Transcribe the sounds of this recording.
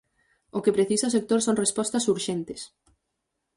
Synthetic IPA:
ʊkɪpɾeθisɐʊsek̚t̪oɾsoŋrespɔst̪ɐsuɾʃent̪ɪ̥s

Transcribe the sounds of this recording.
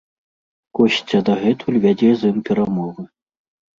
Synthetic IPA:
kɔɕʲt͡sʲɐd̪ɐɣɛt̪ʰulʲvʲad͡zʲɛzɨmpʲɛɾamɔvɨ

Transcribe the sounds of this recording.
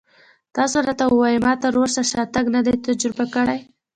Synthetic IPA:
t̪ɑsoɾɑt̪awəwɑjmɑt̪aɾoɾʃaʃɑt̪aɡnad̪ajt̪ad͡ʒɾɪbakəɽaj

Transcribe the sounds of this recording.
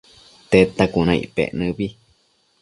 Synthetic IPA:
t̪et̪akunãḭpḛʔnɨ̃βi

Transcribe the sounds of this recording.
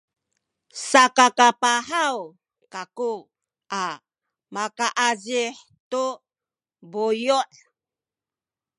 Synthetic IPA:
sakakapaħaw | kaku | ʔa | makaʔaziħ | tu | bujuʔ

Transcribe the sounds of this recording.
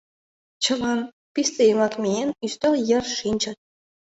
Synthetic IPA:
t͡ɕʰɤ̆lɑn | pʲist̪ejmɑkmʲeenyst̪ojɘ̆rʂinʲt͡ɕɑ̆t̪̚ʲ

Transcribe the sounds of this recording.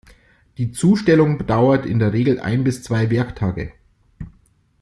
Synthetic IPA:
d̥iːt͡suːʃtɛlʊŋbədaʊɐtɪ̰ndeːɐʁeːɡl̩ʔa̰ɪnbɪst͡sv̥aɪvɛɐktʰaːɡə̰

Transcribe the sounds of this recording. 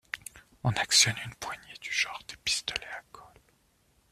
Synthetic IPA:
ɔ̃naksjɔnynpwaɲed̪̥yʒ̥ɑ̃ʁd̪̥epi̥st̪ɔlɛakʰɔl

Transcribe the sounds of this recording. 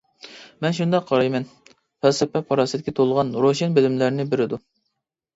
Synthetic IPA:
mɛnʃund̪ɑqʰːɑɾɑjmɛn | pɛlsɛpɛpʰɑɾɑsɨd̪ɪkʲʰɛt̪ʰolˠʁɑnɾoʃenbɪlɪmlæɾnɪbɪɾɪd̪u

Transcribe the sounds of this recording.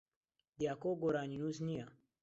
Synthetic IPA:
d̪jakoɡoɾaninusnija

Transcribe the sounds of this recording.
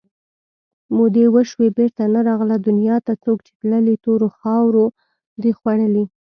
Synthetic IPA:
mod̪ewəʃwebeɾt̪anaɾɑɣlad̪ʊnjɑt̪at͡sokt͡ʃe̥t̪ləlit̪oɾoxɑwɾo | d̪ixwaɽəli

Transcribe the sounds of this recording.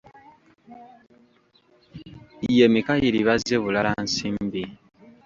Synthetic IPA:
ijemikajiɾiβazeβulalansiːmbi

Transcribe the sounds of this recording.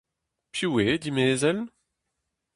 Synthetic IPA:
pjuwed̪imeːzɛl

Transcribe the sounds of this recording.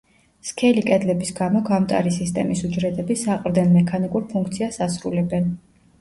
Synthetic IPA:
skʰɛlikʼɛd̪lɛbisɡamɔɡamt̪ʼa̰ɾisist̪ʼɛ̰misud͡ʒɾɛd̪ɛbisaqʼɾd̪ɛnmɛkʰanikʼuɾpʰuŋkʰt̪sʰiasasɾulɛbɛn

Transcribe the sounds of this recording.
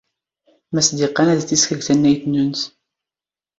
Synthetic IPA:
mæsd̪iqːɑnæðθiskəɡθænːæjθnunθ

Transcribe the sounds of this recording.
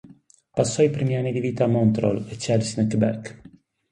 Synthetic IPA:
pasːɔjpɾɛmianːid̪iviːt̪amɔnt̪ɾɔ̰let͡ʃɛlsnɛkbɛk

